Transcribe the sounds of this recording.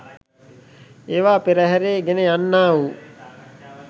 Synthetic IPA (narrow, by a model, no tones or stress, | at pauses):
eːʋaːpeɾəɦɛɾeːɡenejanːaːʋu